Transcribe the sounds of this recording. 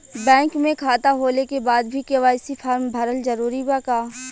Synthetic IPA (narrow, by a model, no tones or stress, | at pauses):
bɛ̃ːŋkmẽkʰaːt̪aɦoːlekebaːd̪bʱikeʋaɪsipʰaːɾmbʱɐɾəlzɐɾuːɾibakaː